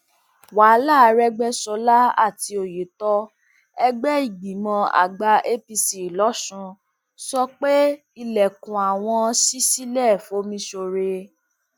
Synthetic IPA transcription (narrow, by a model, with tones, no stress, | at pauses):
wa˨˦la˦˨˧ɾɛ˦ɡ͡bɛ˦sɔ˧la˦a̰˦˨ti˧o˨je˨˦tɔ˧ | ɛ˧ɡ͡bɛ˦i˦˨ɡ͡bĩ˨mɔ̃˧a̰˨ɡ͡ba˧ʔe˦pi˧si˨lɔ˨˦ʃũ˧ | sɔ˦k͡pe˦ | i˧lɛ˨kũ˨a˨w̃ɔ̃˧si˦si˦lɛ˦˨fo˨˦mĩ˧˦ʃo˧ɾe˧